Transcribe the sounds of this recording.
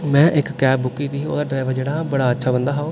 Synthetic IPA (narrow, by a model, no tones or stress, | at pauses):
mɛ̃ːʔɪkːɛːbbʊkːiːbiːo̰ːd̪aːɖɾaːɪʋəɾd͡ʒeːɽaːbəɽaːətːʃʰaːbənd̪aːɦoː